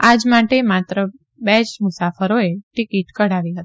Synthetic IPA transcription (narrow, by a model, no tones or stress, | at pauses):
ad͡ʒmaʈemat̪ɾə | bɛt͡ʃmʊsafəɾoeʈikiʈkəɽaʋiɦət̪i̥